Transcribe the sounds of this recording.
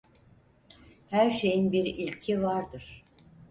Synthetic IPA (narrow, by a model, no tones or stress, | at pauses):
hæɾʃe̞jinbiɾilʲcʰivaɾd̪ɯɾ̥